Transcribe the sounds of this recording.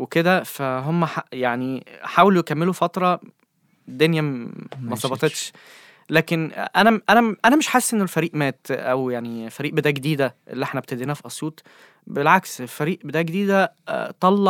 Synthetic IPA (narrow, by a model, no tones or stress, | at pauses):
weked̪æfæɦomːæħajaʕniħaːwelujekæmːelufɑt̪ɾˤɑ | d̪onjæmɑsˤɑbɑt̪ˤet̪ʃ | læːkenʔænæʔænæʔænæmeʃħesːʔenːelfæɾiːʔmæːt̪ʔæwjaʕnilfæɾiːʔbed̪æːɡed̪iːd̪æʔḛlːiʔeħnæb̚t̪æd̪iːnæfiʔɑsˤjuːt̪ˤ | belʕakselfæɾiːʔbed̪æːʔɡed̪iːd̪æt̪ˤɑlːɑ